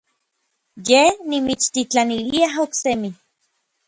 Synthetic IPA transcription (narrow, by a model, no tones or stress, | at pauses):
jenimit͡ʃt̪it͡ɬaniliaɦoksemi